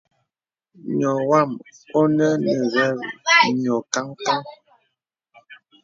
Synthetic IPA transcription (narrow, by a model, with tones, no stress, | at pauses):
ɲɔ˨wa˦˨m | o˦nə˦nə˨ɣɛ˦ɾɲɔ˨ka˦ŋka˦ŋ